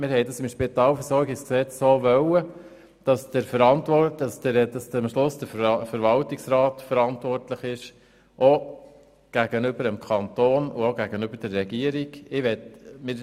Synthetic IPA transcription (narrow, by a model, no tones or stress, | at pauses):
mɪɾhɛɪdɑsɪmʃpɪt̪ɑːlfəɾsɔɾɡɪksksɛt͡ssoːʋœwə | d̥ɑsd̥əɾfəɾɑntʋɔ̥ɑsdəɾdɑsmʃlʊsd̥əfəɾʋɑltiksɾɑːtfəɾɑntʋɔrtləχɪʃ | ʔo | ɡ̥æɡ̥ənʏbəɾəmkʰɑnt̪oːnʊoɡæɡ̥ənʏbəɾd̥ɛrːɛɡiəɾiɡɪʋɛt̪mɪːɾ